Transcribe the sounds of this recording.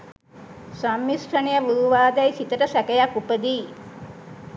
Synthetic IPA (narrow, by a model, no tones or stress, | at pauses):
samːisʈʰənijəʋuɦuʋaːd̪æjsit̪əʈəsækejakːupəd̪iː